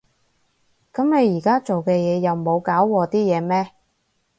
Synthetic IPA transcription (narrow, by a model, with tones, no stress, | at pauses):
kɐ˨˥mne˨˧jiː˨˩kaː˥t͡ʃo˨wkɛː˧jɛː˨˧jɐ˨wmo˨˧wkaː˨˥wwɔː˨˧t̪iː˥jɛː˨˧mɛː˥